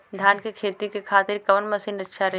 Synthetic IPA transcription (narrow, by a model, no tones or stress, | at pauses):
d̪ʱjaːnkekʰeːt̪ikekʰaːt̪ɪɾkɐʋənmɐsiːnɐtːʃʰaɾɐ